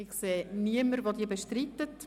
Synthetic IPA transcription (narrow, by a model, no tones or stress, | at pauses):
ɪχseːniəməɾvod̪iːəbeʃtɾit̪ːət